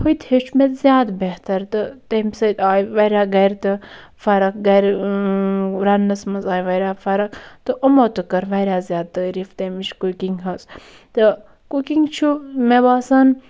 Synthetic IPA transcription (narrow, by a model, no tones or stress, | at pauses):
hujt̪het͡ʃʰmet̪zjaːd̪beht̪ɐɾt̪ɨt̪emsɐt̪aːjʋɐɾʲaːɡɐɾt̪ɨ | fɐɾɐk̚ɡɐɾ | ɾɐnːɐsmɐnzaːjʋɐɾʲaːfɐɾɐkt̪ɨʔɐmoːt̪ɨkɐɾʋɐɾʲaːzʲjaːd̪̚t̪ɐɾift̪emit͡ʃkukiŋɡɦɐs | t̪ɨ | kukiŋɡt͡ʃʰumebaːsaːn